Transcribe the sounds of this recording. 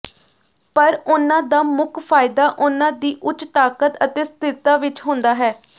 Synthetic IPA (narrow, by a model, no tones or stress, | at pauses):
pəɾʊnãːd̪aːmʊkʰpʰaːɪd̪aːʔʊnãːd̪iːʔʊt͡ʃt̪aːkət̪ət̪eːst̪ʰɪt̪aːʋɪt͡ʃɦʊ̃nd̪aːɦɛː